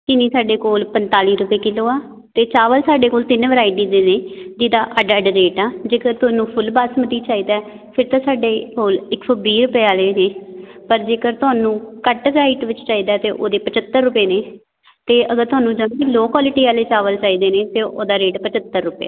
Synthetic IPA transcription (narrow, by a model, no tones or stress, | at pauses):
k̪ɪniːsaːɖeːkoːlpənt̪aːliːɾʊpeːkɪloːaː | t̪eːt͡ʃaːʋəlsaːɖeːkoːlt̪ɪnʋəɾaːiʈiːd̪eːneːd͡ʒ̪iːd̪aːʔəɖəɖɾeːʈaːd͡ʒeːkəɾt̪ʊaːnũːpʰʊlbaːsmət̪iːt͡ʃaːiːd̪aːɛ | pʰɪɾt̪ãːsaːɖeːkoːlɪkfəbiːɾʊpeːaːleːneː | pəɾd͡ʒeːkəɾt̪ʊɦaːnũːkəʈʋɾaːiʈʋɪt͡ʃt͡ʃaːiːd̪aːt̪eːʔoːd̪eːpət͡ʃət̪ːəɾːʊpeːneː | t̪eːʔəɡəɾt̪ʊaːnũːd͡ʒəmːiloːkaːlɪʈiːaːleːt͡ʃaːʋəlt͡ʃaːiːd̪eːneːt̪eːʔo̰ːd̪aːɾeːʈpət͡ʃət̪ːəɾːʊpa̰ː